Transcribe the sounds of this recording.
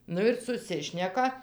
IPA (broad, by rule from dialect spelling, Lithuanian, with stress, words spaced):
ˈnʊ ɪr sʊˈsʲɪʃʲnʲɛkɐ